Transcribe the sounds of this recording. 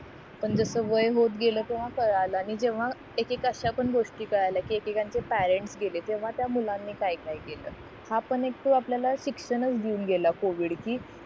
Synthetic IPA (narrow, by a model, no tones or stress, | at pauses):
pəɳd͡zəsəːʋəjɦot̪ɡeləːt̪eʋ̤akəɾaləañid͡ʑeʋ̤a | ekekaɕapəɳɡoʂʈiːkəɾajlakiːekekaɲt͡sepæɾeɳʈsɡʱelet̪eʋ̤at̪jamulãnːiːkaikajɡelə̰ː | hapəɳek̚t̪uapljalaɕikʂənət͡sd̪iuːnɡʱelakoʋiːɽkiː